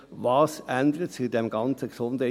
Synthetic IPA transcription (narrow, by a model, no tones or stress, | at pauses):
ʋɑːsænd̪əɾətt͡sudɛmɡɑnt͡səɡsʊndə